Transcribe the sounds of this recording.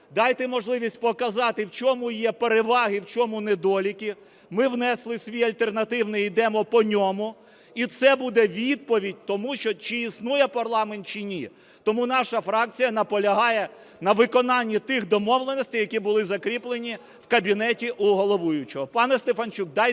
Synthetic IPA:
d̪ɑjt̪ɛmɔʒlˠɪʋʲisʲt̚ʲpɔkɐzɑt̪ɪwt͡ʃɔmujɛpeɾeʋɑɦɪwt͡ʃɔmuned̪ɔlʲikʲi | mɪwnɛslˠɪsʲʋʲijɐlʲt̪e̞rnɐt̪ɪwnɪid̪ɛmɔpɔnʲɔmʊ | it̪sɛbud̪ɛʋʲid̪̚pɔʋʲidʲt̪ɔmuʃt͡ʃɔt͡ʃiːsnujɛpɐrlˠɑment̪t͡ʃinʲi | t̪ɔmunɑʃɐfɾɑk̚t͡sʲijɐnɐpɔlʲɐɦɑjɛ | nɐʋɪkɔnɑnʲːit̪ɪxd̪ɔmɔʋlˠenɔsʲtʲɪjɐkʲibʊlˠɪzɐkɾʲiplˠenʲi | wkɐbʲinɛtʲiʔuɦɔlˠɔʋujʊt͡ʃɔɦɔpɑnɛst̪efɐnt͡ʃuk̚d̪ɑj

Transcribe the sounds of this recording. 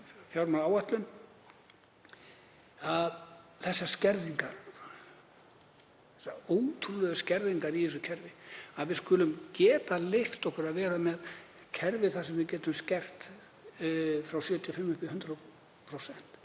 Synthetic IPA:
fjawɾmaaːwaht̪lʏm | aðθɛsːascɛɾðiŋka | ɛsaoːwt̪ʰulœðʏscɛɾðiŋkaɾiðisʏcʰɛɾvɪaðvɪðskʏːlʏmcɛːt̪aleft̪ɔhkʏɾaðvɛːɾamɛð | cʰɛɾvɪθasɛmvɪðcɛːt̪ʏmscɛr̥t̪ | fɾawsjœːt̪ʰiɔfɪmːʏpɪɦʏnt̪ɾa | pʰɾosɛn̥t̪

